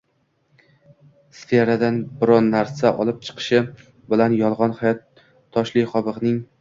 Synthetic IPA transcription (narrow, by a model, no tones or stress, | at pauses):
sfeɾad̪anbɪɾɒnːaɾsaʔɒlˠɪp̚t͡ʃʰɨ̥qʰɨ̥ʃɪ | bɪlanjɒlˠʁɒnhajɒt̪ʰː | ɒʃlɪχɒbɨʁnɪŋ